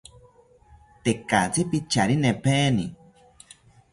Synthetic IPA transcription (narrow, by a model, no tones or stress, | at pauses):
t̪ekat͡sipit͡ʃaɾinẽpʰeni